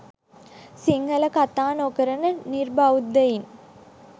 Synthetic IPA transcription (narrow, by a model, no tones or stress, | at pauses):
siŋɡɐlɐkɐt̪ːaːnokːɐɾɐnɐnirbawud̪ɐjin